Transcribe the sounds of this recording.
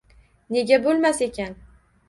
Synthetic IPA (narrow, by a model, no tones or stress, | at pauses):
ne̞ɡʲabolˠmase̞kʲʰan